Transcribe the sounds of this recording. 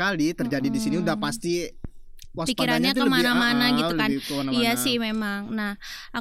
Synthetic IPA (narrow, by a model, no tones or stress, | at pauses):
alit̪ərd͡ʒadidisiniudahpast̪i | waspikiɾanɲat̪kəmanamanaɡiukanajasɪhmemaŋnahʔa